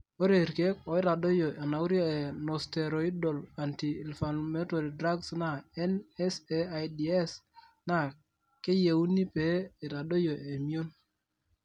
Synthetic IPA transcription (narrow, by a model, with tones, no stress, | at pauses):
o˦ɾe˨ɾke˦kɔ˨i˦ɾa˨do˦jo˨ʔe˨na˨u˦ɾe˨nɔ˨ste˨ɾo˨i˦do˨la˨ntiː˨lfa˨nme˦to˨ɾi˨dɾa˦ɡsna˦ɛ˦nɛ˦se˦a˨jdi˨e˦s | na˦˨ | ke˦je˨wu˦ni˦pe˨˦i˨ɾa˨do˦jo˨ʔe˨mi˦o˦n